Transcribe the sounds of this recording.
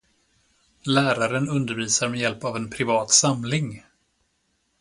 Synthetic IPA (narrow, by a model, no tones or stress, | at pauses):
læːɾaɾənɵnd̪əɾviːsaɾmɛjɛlpavɛnpʰɾɪvɑːt̪samlɪŋ